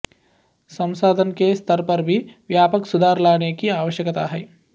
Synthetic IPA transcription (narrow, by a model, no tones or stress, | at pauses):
sɐ̃msaːd̪ʱənkest̪ʰəɾpɐɾbʱiʋjaːpəksʊd̪ʱaːɾlaːnekiaːʋəʃjəkət̪a̰ɦɛː